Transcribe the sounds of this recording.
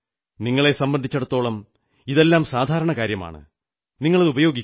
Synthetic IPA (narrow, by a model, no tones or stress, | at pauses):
niŋːɐɭe̞sɐmbɐnd̪ʱit͡ɕːɐɽut̪ːo̞ːɭɐm | iðe̞lːaːmsaːd̪ʱaːɾɐɳɐkaːɾjɐma̰ːɳɨ̰ | niŋːɐɭɐðubɐjo̞ːɡikʲː